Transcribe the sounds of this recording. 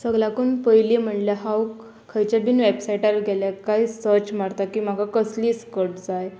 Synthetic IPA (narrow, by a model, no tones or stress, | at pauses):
səɡlakunpəjlem̤əɳljaɦawkʰ | əjt͡ɕabiːnʋebsajʈaɾɡʱɛljakaisəɾt͡ɕmaɽt̪akiːm̤akakəsliːskəʈd͡zaj